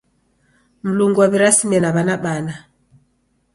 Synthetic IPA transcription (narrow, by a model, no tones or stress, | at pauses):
m̩luŋɡuwaβiɾasimɛnaβanaɓana